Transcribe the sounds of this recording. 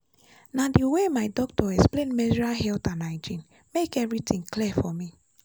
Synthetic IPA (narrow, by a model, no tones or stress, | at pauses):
nadiwemaɪdɔk̚tʰɔɛksplẽnmɛd͡ʒɔɹaɦɛltãnaɪd͡ʒĩn | mekɛvɾitĩŋklifɔmi